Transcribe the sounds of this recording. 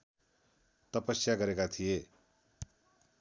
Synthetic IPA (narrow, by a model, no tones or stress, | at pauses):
t̪ʌpʌsjaɡʌɾekat̪ʰije